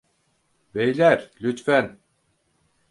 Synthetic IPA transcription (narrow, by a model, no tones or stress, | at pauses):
vejlʲæɾlʲyt̪fæn